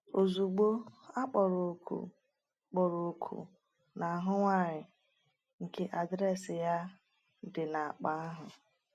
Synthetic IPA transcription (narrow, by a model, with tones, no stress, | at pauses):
o˨zu˨ɡ͡bo˦a˦k͡pɔ˨ɾo˨kʰṵ˨ | k͡pɔ˨ɾo˨kʰṵ˨ | na˨a˨ɦʊ˦ŋʷa˦˨ɾɪ˨ | ŋ̩˨ke˦ʔa˨dɾɛ˦sɪ˨ja˦ | dɪ˨na˨a˨k͡pa˨a˦ɦʊ˨